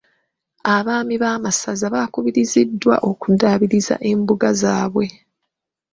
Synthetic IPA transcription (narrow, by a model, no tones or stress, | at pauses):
aβaːmiβaːmasazaβakuβiɾizidːwa̰ʔo̞kudaβiɾiza̰ʔe̞mbuɡazaːβwe̞